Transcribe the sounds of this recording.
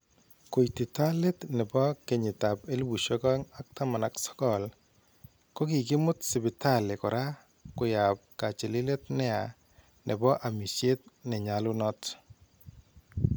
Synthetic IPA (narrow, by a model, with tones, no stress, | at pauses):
ko˨jtɪ˨ta˦lɪ˦tnɛ˨bɔ˦ke˨ɲɪ˨ta˨pe˦lbu˨ʃɔ˦kɔ˦ŋa˦k̚ta˦ma˨na˨ksɔ̥˦kɔ˦˨l | kɔ˦ki˨kɪ˦mʊ˦tsɪ˨bɪ˨ta˦˨lɪ˨kɔ˨ɾa˦ | kʊ˨ja˨p̚ka˨t͡ʃe˨lɪ˦le˦t̚nɛ˦a˨ | nʔɛ˨bɔ˦ʔa˨mi˨sje˦t̚nɛ˨ɲa˨lʊ˦nɔ˦t